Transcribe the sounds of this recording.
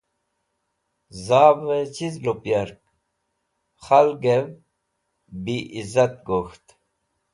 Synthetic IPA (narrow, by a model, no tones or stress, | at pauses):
zaːbet͡ɕizlupjaɾk̚ | xɐlɡew | biʔizɐt̪̚ɡoxt̪